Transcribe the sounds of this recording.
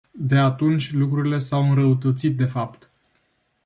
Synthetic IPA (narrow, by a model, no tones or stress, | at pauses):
d̪e̞at̪unt͡ʃʲlukɾuɾile̞sawɨnɾəut̪ət̪sit̪̚d̪e̞fapt̪